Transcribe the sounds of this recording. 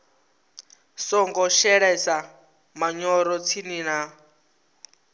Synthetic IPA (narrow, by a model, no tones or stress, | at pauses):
sɔŋɡɔʃɛɺɛsa | maɲɔɾɔt͡sʰinina